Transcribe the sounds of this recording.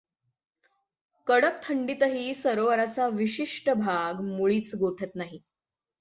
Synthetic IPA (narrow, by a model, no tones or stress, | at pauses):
kəɽək̚t̪ʰəɳɖit̪əɦiːsəɾoʋəɾat͡saʋiɕiʂʈəbʱaɡmuɭiːt͡sɡoʈʰət̪naɦi